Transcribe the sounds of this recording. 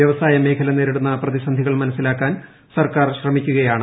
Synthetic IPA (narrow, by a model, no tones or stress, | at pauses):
jɐʋɐsaːjɐme̞ːkʰɐlɐne̞ːɾiɽunːɐprɐðisɐnd̪ʱiɣɐɭmɐnɐsːilaːkːaːn | sɐrkaːrɕrɐmikʲːuɣɐjaːɳɨ